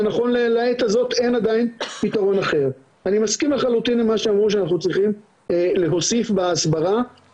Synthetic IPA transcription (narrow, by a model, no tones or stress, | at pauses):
naχo̞nlelaet̪azo̞t̪e̞nad̪ainpit̪aʁo̞naχe̞ʁ | animaskimleχalut̪inlemaʃeamʁuʃ̬eanaχnut͡sʁiχim | ele̞ɦo̞sifbaasbaʁa